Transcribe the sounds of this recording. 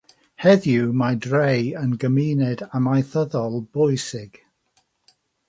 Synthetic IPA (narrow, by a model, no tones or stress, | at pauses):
hɛðjumadrejənɡəmiːnɛdamajθəðɔlˠb̥ɔjsɪɡ̥